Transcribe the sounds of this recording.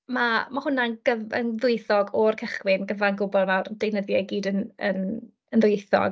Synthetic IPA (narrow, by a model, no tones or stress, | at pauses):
mamahʊnanɡ̥əvə̰nðʊɨθɔɡɔrkʰəχwɪnɡəvanɡʊbɔlˠmawrd̥ejnəðjɔjɡiːdənən | ənðʊjθɔ̰ɡ